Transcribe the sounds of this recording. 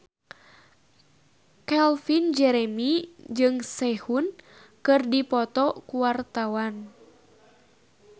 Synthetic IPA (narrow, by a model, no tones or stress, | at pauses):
kɛlfind͡ʒɛɾɛmid͡ʒɨŋsɛhun | kɨrdipɔt̪ɔkuwart̪awan